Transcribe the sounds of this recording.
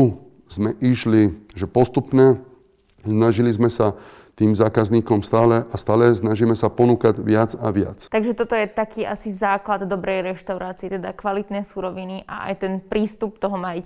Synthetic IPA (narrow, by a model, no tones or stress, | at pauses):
u | zmɛʔiʃliʒɛpɔst̪upɲɛ | snaʒilizmɛsa | t̪iːmzaːkazɲiːkɔmst̪aːlɛʔast̪aːlɛsnaʒimɛsapɔnuːkaɟʋɪad͡zaʋɪa̰t͡st̪aɡʒɛt̪ɔt̪ɔjɛt̪akiːʔasizaːklad̪d̪ɔbɾɛjɾɛʃt̪aʊɾaːt͡siɛt̪ɛd̪akʋalit̪nɛjsuːɾɔʋiniʔa̰ʔa̰jt̪ɛnpɾiːst̪up̚t̪ɔɦɔmaji